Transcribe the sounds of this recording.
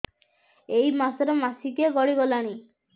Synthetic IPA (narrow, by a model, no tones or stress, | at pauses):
ejmasɔɾɔmasikeɡɔɽiɡɔlaɽ̃i